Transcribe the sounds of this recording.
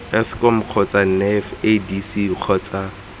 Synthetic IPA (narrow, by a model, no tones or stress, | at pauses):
ɛskɔm̩q͡χʰɔt͡sʼan̩nɛfedisiq͡χʰɔːt͡sa